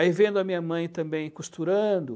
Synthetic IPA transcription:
aivẽnd̪ʊɐmĩɲɐmɐ̃j̃t̪ɐ̃mbẽj̃kust̪uɾɐ̃d̪ʊ

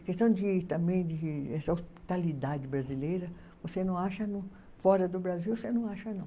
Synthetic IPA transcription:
kest̪ɐ̃w̃d͡ʒɪt̪ɐ̃mbẽj̃d͡ʒɪɛsɐospi̥t̪alid̪ad͡ʒɪbɾazilejɾɐ | vosenɐ̃w̃aʃɐnũ | fɔɾɐd̪ʊbɾaziwosenɐ̃w̃aʃɐnɐ̃w̃

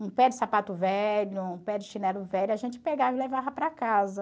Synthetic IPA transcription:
ũpɛd͡ʒɪsapat̪ʊvɛlʊũpɛd͡ʒɪʃinɛlʊvɛʎʊaʒẽnt͡ʃɪ̥peɡavɪlevavɐpɾakazɐ

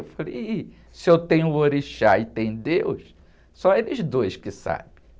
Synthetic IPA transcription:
ewfalḛi | sɪewt̪ẽɲʊoɾiʃaɪt̪ẽj̃ʊd̪ews | sõw̃elɪzd̪ojskɪsa̰bẽ

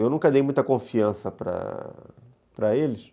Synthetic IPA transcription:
ewnũŋkɐd̪ejmũj̃t̪ɐkõfiɐ̃sɐpɾɐ̰ | pɾɐelɪs

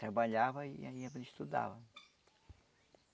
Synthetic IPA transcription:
t̪ɾabaʎavɐiaiɐʒẽɪst̪ud̪a̰vɐ

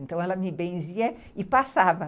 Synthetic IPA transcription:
nt̪ɐ̃w̃ɛlɐmɪbẽziɐ | ɪpasavɐ

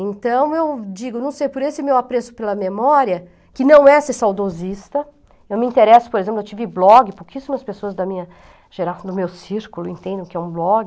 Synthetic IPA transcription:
ẽnt̪ɐ̃w̃ewd͡ʒiɡʊnɐ̃w̃sejpʊɾesɪmewapɾesʊ̥pelɐmemɔɾiɐ | kɪnɐ̃w̃ɛsɪsawd̪ozist̪ɐ | ewmɪĩnt̪eɾɛsʊ̥poɾezẽplewt͡ʃivɪblɔɡɪpowkisʊzmẽɐspesoɐzd̪ɐmĩɲɐ | ʒ̥eɾasɐ̃d̪ʊmewsiɾkʊlʊẽt̪ẽnd̪ẽkɪɛũblɔɡɪ

